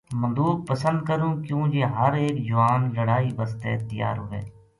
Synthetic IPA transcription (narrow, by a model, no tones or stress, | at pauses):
mə̃nd̪uːb̚pəsənd̪̚kəɾũːkjũːd͡ʒeːɦəɾeːkd͡ʒʊʋaːnləɽaːiːbəst̪eːt̪əja̰ːɾɦʊʋḛː